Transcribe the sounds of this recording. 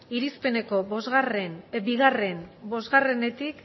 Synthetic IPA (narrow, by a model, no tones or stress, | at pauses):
iɾispe̞ne̞ko̞bo̞zɣarenbiɣare̞nbo̞zɣare̞ne̞t̪ik